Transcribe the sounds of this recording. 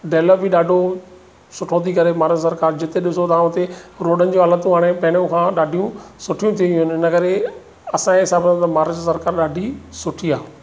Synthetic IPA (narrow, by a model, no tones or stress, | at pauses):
ɖeːləpiɗaːɖʱo | sʊʈʰõːikɐɾemaːɾəd͡ʒsɐɾkaːɾd͡ʑɪt̪eɗɪsot̪ɐ̃ːʊ̃t̪eɾoːɖənɪ̆d͡ʑuɦaːlət̪ũɦaːɽ̃epɐːɽ̃jõkʰãːɗaːɖʱijũsʊʈʰijũt̪ʰiũɦʊnɪnəkɐɾe | ɐsãẽɦɪsaːbə̃t̪ɐmaːɾəzsɐɾkaːɾɗaːɖʱisʊʈʰiaː